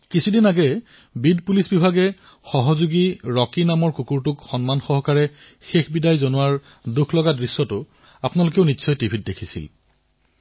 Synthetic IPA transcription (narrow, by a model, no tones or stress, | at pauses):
kisʰudinaɡɛ | bidpulisbibʱaɡɛ | xɔɦɔzuɡiɹɔkinamɔɹkukuɹtʊkxɔnmanxɔɦɔkaɹɛ | xexbidajzonʊaɹ | dukʰlɔɡadɹisːɔtʊ | apnalʊkeʊnisʰɔjtibʱʰit̚dekʰisḭl